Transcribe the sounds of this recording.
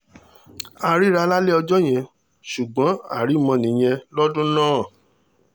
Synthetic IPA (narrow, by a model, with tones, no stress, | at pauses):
a˧ɾi˦ɾa˧˦la˦le˦ɔ˧d͡ʒɔ˦j̃ɛ̃˧˨ | ʃu˨ɡ͡bɔ̃˨˦a̰˦˨ɾi˨˦mɔ̃˧nĩ˨j̃ɛ̃˧lɔ˦dũ˦nãː˦˨